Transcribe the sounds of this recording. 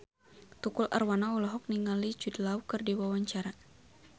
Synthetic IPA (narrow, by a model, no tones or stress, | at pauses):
t̪ukʊlʔa̰rwanaɔlɔɦɔk̚niŋalit͡ʃudlawkərdiwawaɲt͡ʃaɾa